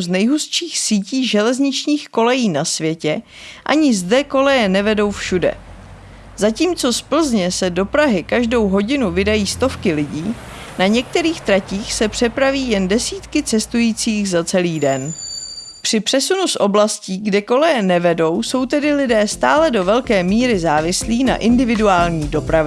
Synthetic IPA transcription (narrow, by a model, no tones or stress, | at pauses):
znɛjɦusʃiːxsiːciːʒɛlɛzɲɪt͡ʃɲiːxko̞lɛjiːnasvjɛcɛ | ʔa̰ɲɪzdɛko̞lɛjɛnɛvɛdo̞wfʃudɛ̰ | zaciːmt͡so̞spl̩zɲɛsɛdo̞pɾaɦɪkaʒdo̞wɦo̞ɟɪnuvɪdajiːst̪o̞fkɪlɪɟiːnaɲɛk̚t̪ɛɾiːxt̪ɾaciːxsɛpr̥ɛpɾaviːjɛndɛsiːt̪kɪt͡sɛst̪ujiːt͡siːxzat͡sɛliːdɛn | pr̝̥ɪpr̥ɛsunusʔo̞blasciːɡdɛko̞lɛjɛnɛvɛdo̞wso̞wt̪ɛdɪlɪdɛːst̪aːlɛdo̞vɛlkɛːmiːɾɪzaːvɪsliːna̰ʔɪndɪvɪduaːlɲiːdo̞pɾavɪ